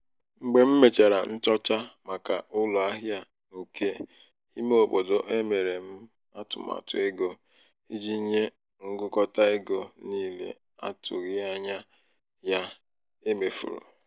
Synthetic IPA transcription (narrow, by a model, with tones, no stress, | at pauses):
ŋ͡m̩˨ɡ͡be˦m̩˦me˨t͡ʃe˨ɾa˨n̩˦t͡ʃɔ˦t͡ʃa˦ma˨ka˨ʊ˦lɔ˨a˦ɦja˦ | nu˨ke˦ | i˦me˦o˨bo˨do˨ʔe˦me˨ɾe˨m̩˦ | a˦tʊ̰˨ma̰˨tʊ̰˨e˦ɡo˦ | i˦d͡ʒi˦ɲe˦ | ŋ̩˦ɡʊ˦kɔ˦ta˦e˦ɡo˦niː˦lḛ˦ | a̰˦tʊ̰˨ɣɪ˦a˦ɲa˦ | ja˦ | e˦me˨fṵ˨ɾṵ˨